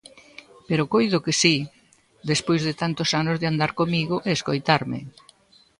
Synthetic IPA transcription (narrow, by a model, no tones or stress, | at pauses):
peɾokojðʊkesi | d̪espojzðɪt̪ant̪osanʊzðɪand̪aɾkomiɣʊʔeːskojt̪aɾmɪ̰